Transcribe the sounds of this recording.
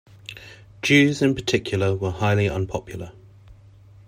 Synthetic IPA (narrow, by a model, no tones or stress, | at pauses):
d̥ʒ̥ʉːzɪ̃npʰətʰɪkʰjl̩ˠəwəhaɪliə̰̃npʰɒpʰjəl̩ˠə